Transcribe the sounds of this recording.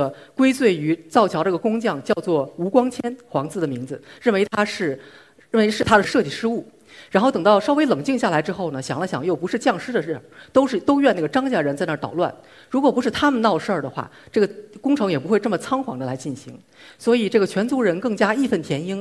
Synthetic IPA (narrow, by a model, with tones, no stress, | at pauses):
ə˩kwe˥ɪt͡swe˥˩ɪy˧˥t͡sɑ˥˩ʊt͡ɕʰjɑ˧˥ʊʈ͡ʂa˥˩ə˩kʊ˥ŋt͡ɕjɑ˥˧ŋt͡ɕjɑ˥˧ʊt͡swɔ˥˩u˧˥kwɑ˥ŋt͡ɕʰjɛ˥nxwɑ˧˥ŋt͡sɹ̩˥˩d̪ə˩mi˧˥ŋd͡zɹ̩˧ɻə˥˩nwe˧˥ɪt̪ʰa˥ʂɻ̩˥˩ | ɻə˥˩we˧˥ɪʂɻ̩˥˩t̪ʰa˥d̪ə˩ʂɤ˥˧t͡ɕi˥˩ʂɻ̩˥u˥˩ | ɻa˧˥nxo˥˩ʊt̪ɤ˨˩ŋnt̪ɑ˥˩ʊʂɑ˥ʊwe˧˥ɪlɤ˨˩ŋt͡ɕi˥˧ŋɕja˥˩la˧˥ɪʈ͡ʂɻ̩˥xo˥˩ʊnə˩ɕjɑ˨˩ŋlə˦ɕjɑ˨˩ŋjo˥˩ʊpu˧˥ʂɻ̩˥˧t͡ɕjɑ˥˩ŋʂɻ̩˥d̪ə˨ə˥˩t̪o˥ʊʂɻ̩˥˧t̪o˥ʊɥɛ˥˧na˥˩ɡə˩ʈ͡ʂɑ˥ŋt͡ɕja˥˩ɻə˧˥nt͡sa˥˧ɪnə˥˩t̪ɑ˨˩ʊlwa̰˥˩n | ɻu˧˥kwɔ˨˩pu˧˥ʂɻ̩˥˩t̪ʰa˥mə˨nɑ˥˧ʊʂə˞˥˩d̪ə˩xwa̰˥˩ | ʈ͡ʂɤ˥˩ɡə˩kʊ˥ŋʈ͡ʂʰɤ˧˥ŋjɛ˨˩p̬u˥xwɪʈ͡ʂmə˩t͡sʰɑ˥ŋxwɑ̰˧˥ŋd̪ə˧la˧˥ɪt͡ɕi˥˩nɕḭ˧˥ŋ | swɔ˧˥i˨˩ʈ͡ʂɤ˥˩ɡə˩t͡ɕʰɥɛ˧˥nt͡su˧˥ɻə˧˥nkɤ˥˩ŋt͡ɕja˥i˥˧fə˥˩nt̪ʰjɛ˧˥ni˥ŋ